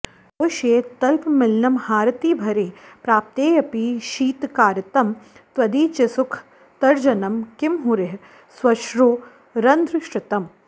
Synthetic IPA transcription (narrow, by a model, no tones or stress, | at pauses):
oʃeːt̪ɐlpmɪlnɐmhaːɾɐt̪iːbʱɐɾeːpɾaːp̚t̪eːjɐpiːʃiːt̪kaːɾɐt̪ɐmt̪ʋɐd̪iːt͡ʃesʊkʰ | t̪ɐɾd͡ʒɐnɐmkɪmɦuɾeɦ | sʋɐʃɾoː | ɾɐnd̪ɾɪʃʈɪt̪ɐm